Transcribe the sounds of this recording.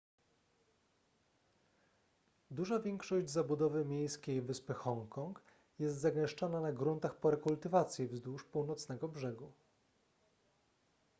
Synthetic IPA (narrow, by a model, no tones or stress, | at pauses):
d̪uʐavʲjɛŋkʂɔʑd͡ʑzabud̪ɔvɘmʲjejskʲejvɘspɘxɔŋkʰɔŋk | jɛst̪zaɡɛ̃ʂt͡ʂɔnanaɡɾunt̪axpɔɾɛkult̪ɘvat̪sʲjivzd̪uʂpuwnɔt̪snɛɡɔbʐɛɡu